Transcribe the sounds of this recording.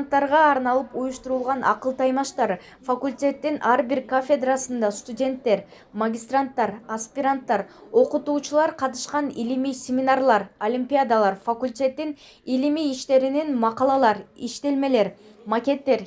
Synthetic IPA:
nt̪ːɑɾʁɑːɾnɑlˠɯpujuʃt̪uɾulˠʁɑnʔɑqɯlˠt̪ʰɑjmɑʃt̪ɑɾ | fakulʲtʲe̞t̪ːinʔɑɾbiɾkofʲed̪rasɯnd̪ɑst̪udʲe̞nt̪ːe̞ɾ | mɐɡʲɪst̪rant̪ːɑɾɐspʲiɾant̪ːɑɾo̞qut̪uːt͡ʃulˠɑɾqʰɑt̪ɯ̥ʃqɑnilimijsʲɪmʲɪnarlˠɑɾolʲimʲpʲijad̪alˠɑɾfɐkulʲtʲe̞t̪ːin | ilimiːʃt̪e̞ɾininmɑqɑlˠɑlˠɑɾiʃt̪e̞lme̞le̞ɾ | mɐkʲe̞t̪ːe̞ɾ

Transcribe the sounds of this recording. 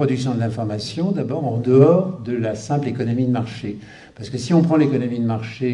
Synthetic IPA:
χɔd̪yksjɔ̃d̪əlɛ̃fɔʁmasjɔ̃d̪abɔːʁɑ̃d̪əɔʁd̪əlasɛ̃plekɔnɔmid̪əmaʁʃe | paʁsə̥kəsiɔ̃pχɑ̃lekɔnɔmid̪əmaʁʃe

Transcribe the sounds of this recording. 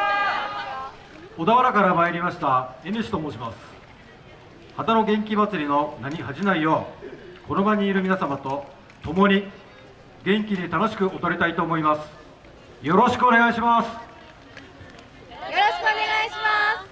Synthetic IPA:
o̞d̪aβaɾakaɾamaiɾʲimaɕi̥t̪ae̞nɯɕi̥t̪o̞moːɕimasɨ̥ | hat̪ano̞ɡẽ̞ŋk̬ʲimat͡sɨɾʲino̞naɲ̟ihaʑinaijo̞ːko̞no̞baɲ̟iːɾɯ̟mʲinasamat̪o̞ | t̪o̞mo̞ɲ̟i | ɡẽ̞ŋkʲid̪et̪ano̞ɕ̬i̥kɯ̟ʔo̞t̪o̞ɾʲit̪ait̪o̞ːmo̞imasɨ̥ | jo̞ɾo̞ɕi̥kɯ̟one̞ɡaiɕimasɨ̥ | joɕkɯneɡaiɕima

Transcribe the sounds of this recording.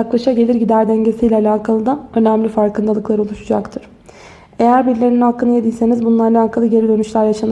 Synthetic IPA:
aklˠaʃaɟe̞lʲiɾɟid̪æɾd̪æɲɟe̞siːjlʲɛalʲaːkʰalˠɯd̪aø̞næmlʲifaɾkɯnd̪alˠɯklˠaɾɯolˠuʃud͡ʒakt̪ʰɯɾ̥ | e̞jæɾbiɾlʲe̞ɾiniɦakːɯnɯjed̪ilʲse̞nizbunlˠaːlʲˠaːkʰalˠɯɟe̞ɾid̪ø̞nyʃlʲæɾjaʃan

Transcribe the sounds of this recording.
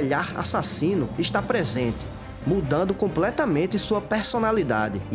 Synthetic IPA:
ʎaɾa̰sasĩnʊiʃt̪apɾezẽnt̪ɪ̥ | mud̪ɐ̃nd̪ʊkõplɛt̪ɐmẽnt̪ɪsuɐpeɾsonalid̪a̰d̪ɪ

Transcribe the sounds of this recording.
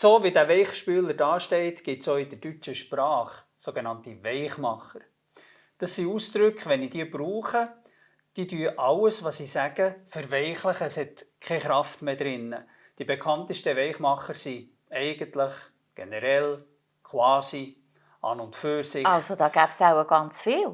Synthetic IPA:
soːvidævɛɪχʃpyːləɾdɑːʃtɛɪtɡ̥ɪtsoɪd̥əɾd̥yt͡ʃəʃpɾɑːχ | soɡenɑntivɛɪχmɑχəɾ | d̥ɑsːiusd̥̪ɾʏkχʋɛnid̥iəbɾuːχə | d̥idyəʔɑwəsʋɑsisæɡ̥əfəɾvɛɪχləχəshɛtkʰɛχɾɑftmeːd̪ɾɪnːə | d̥ibekʰɑnt̪əʃtəvɛɪχmɑχəɾsi | ɛɪɡ̥əntləχ | ɡ̥ḛnɛɾɛl | kχvɑːsi | ʔɑ̰ːnʊntføːɾsɪɑlzodɑːɡ̥æːb̥saʊəɡ̥ɑnt͡sfɪːl

